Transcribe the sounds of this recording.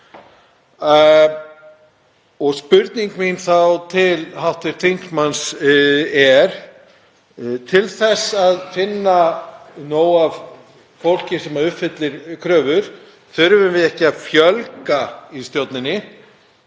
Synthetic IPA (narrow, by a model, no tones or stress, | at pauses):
ɔɣspʏɾt̪niŋkminθawt̪ʰɪlɦawht̪ɪɾ̥t̪ʰiŋ̥ksmans | ɛɾ̥ | t̪ʰɪlθɛsaðfɪnːanoːwav | fowl̥cɪ̥sɛmaɾʏhpfɪt̪lɪɾ̥kʰɾœːvʏɾ̥ | θʏɾvʏmvɪðɛhcɪaðfjœlkaist̪jowt̪nɪnːɪ